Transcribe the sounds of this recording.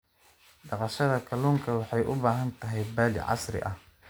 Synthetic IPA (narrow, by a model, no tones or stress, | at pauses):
ɖɑqɑʃɐðɐkʰɐluːŋkʰɐwɑħɑjʔʊbaːɦɐnt̪ʰɐɦɛjbaːlɪ̰ʕɑ̰sɾɪ̰ʔɐh